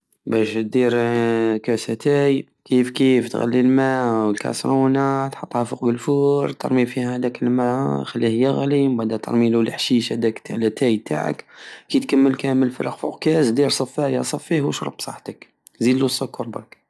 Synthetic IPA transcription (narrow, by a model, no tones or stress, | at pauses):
bæʃt̪̚d̪iɾkæsæt̪æj | kifkift̪ɣæ̰lːilmæwəlkɑ̰sɾˤunat̪ħɑt̪ˤːhɑfuq̚bəlfuɾˤt̪ɑ̰ɾˤmifihhæd̪ækəlmæxælːihjəɣlimbad̪æt̪ɑ̰ɾˤmilulħʃiʃhæd̪ækt̪ʰːalæt̪ʰæjt̪a̰ʕə̰kkit̪kæmːəlkæməlfəɾəqfṵqkæzd̪iɾsˤɑfæjɑ̰sˤɑfːihwʃɾˤə̰b̚sˤɑ̰ħt̪ək | zid̪lusˤʊkːʊɾˤbə̰k